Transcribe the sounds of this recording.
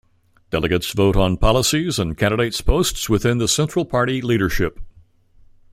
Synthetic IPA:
d̥ɛlˠəɡɨtsvoʊɾn̩pʰɑlˠəsizə̃nkʰæ̃ndɨɾeɪtspʰoʊstswɨθɪ̃nðəsɛ̃nt͡ʃɹ̥l̩ˠpʰɑɹɾiliɾə˞ʃɪp̚

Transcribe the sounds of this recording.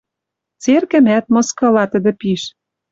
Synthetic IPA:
t͡serkɘ̆mæt̪mɤ̆skɤ̆lɑt̪ə̆d̪ɘ̆piʃ

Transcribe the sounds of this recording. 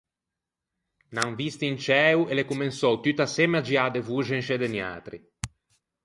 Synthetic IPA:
naŋvist̪int͡ʃɛːwelekumensɔwt̪yt̪asemead͡ʒiad̪evuʒenʃed̪enja̰ːt̪ɾḭ

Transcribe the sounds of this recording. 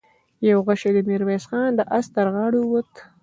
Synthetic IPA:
jawɣaʃed̪əmiɾmesxɑːnd̪əʔast̪əɾɣɑːɽuwət̪

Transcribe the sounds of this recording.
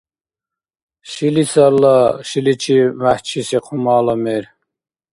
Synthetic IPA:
ʃilisɑlːɑʃilit͡ʃʰimæht͡ʃʰisiqʰumɑːlɑmeɾ

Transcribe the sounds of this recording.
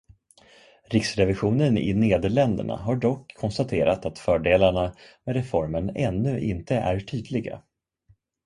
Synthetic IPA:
ɾɪksɾɛvɪɧuːnənɪ̰neːd̪əɭɛnd̪ə̰ɳa̰ɦaɖɔkʰːɔnst̪at̪ʰeːɾat̪at̪fœːɖeːlaɳamɛɾɛfɔɾməɳɛnːɵʔɪ̰nt̪əʔæɾʈʰyːd̪lɪɡa̰

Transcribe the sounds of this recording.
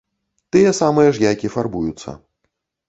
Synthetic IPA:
t̪ɨjɛsamɨjɛʐjajkʲifarbujut̪sːɐ̰

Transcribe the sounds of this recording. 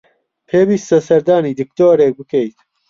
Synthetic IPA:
pʰeːbiːst̪ɐsɐɾd̪aːniːd̪ɨkt̪oːɾeːk̚bɨkʰejt̪

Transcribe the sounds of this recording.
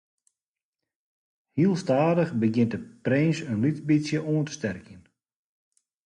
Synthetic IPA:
hiəlˠstaːdəχbəɡjɪnt̚dəprɪnsənlitbisjəʔuəntə̥stɛrkjən

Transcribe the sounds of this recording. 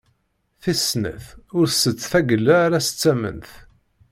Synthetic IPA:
θisnə̰θʊɾsət͡sːθæɡəlːaːɾæsə̥t͡sːæmə̰nθ

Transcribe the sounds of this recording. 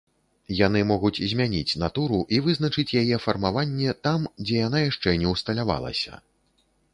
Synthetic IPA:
janɨmɔɣut͡sʲzʲmʲanʲit͡sʲnat̪uɾuʔivɨznɐt͡ʂɨt͡sʲjajɛfɐrmavanʲːɛt̪amd͡zʲɛjan̪ajaʂt͡ʂɛnʲɛwst̪ɐlʲava̰lˠɐ̰sʲɐ̰

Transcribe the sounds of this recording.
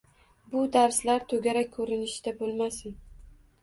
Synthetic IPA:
bʊd̪aɾslaɾt̪ʰɵɡʲaɾak̚ʲʰːɵɾɪnɪʃd̪̥abolˠmasɪn

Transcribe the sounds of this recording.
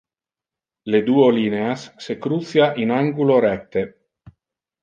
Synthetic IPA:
led̪uːolineasːekɾut̪sjaʔinaŋɡuloɾɛk̚t̪ːe

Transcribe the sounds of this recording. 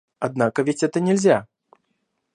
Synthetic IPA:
ad̪nakɐvʲet͡sʲɛt̪ɐnʲɛlʲzʲa

